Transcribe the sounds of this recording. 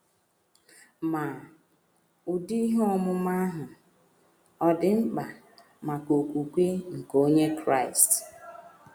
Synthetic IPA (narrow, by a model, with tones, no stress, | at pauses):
ma˨ | u˨di˦i˦ɦɔ˦mʊ˦ma˦ɦʊ˨ | ɔ˦dɪ˨ŋ͡m̩˦k͡pa˨ | ma˨ko˨kʷu˨kʷe˦ŋ̩˨ko˦ɲe˦kɾa˦˨ɪ˨st